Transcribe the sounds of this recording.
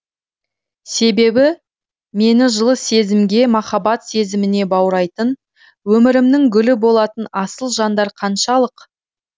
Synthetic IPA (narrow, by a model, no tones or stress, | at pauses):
se̞be̞bɪ | me̞nɪʒəlˠəse̞zɪmɡʲe̞mɑχɑbɑt̪se̞zɪmɪne̞bɑwɾɑjt̪ən | wɵmɪɾɪmnɪŋɡʲʏlɪbo̞lˠɑt̪ənɑsəlˠʒɑnd̪ɑɾqʰɑnʃɑlˠəq